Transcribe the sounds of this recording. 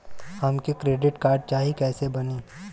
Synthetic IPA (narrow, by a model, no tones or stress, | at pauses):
hɐmkikɾeːɖɪʈkaːɾɖ̚t͡ʃaːɦikɛːsebɐniː